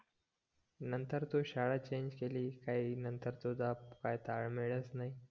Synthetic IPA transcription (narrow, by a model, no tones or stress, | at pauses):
nənt̪əɾt̪uɕaɭat͡ɕeɲd͡ʑkeliːkainənt̪əɾt̪ud͡zapkajt̪aɭmeɭəsnai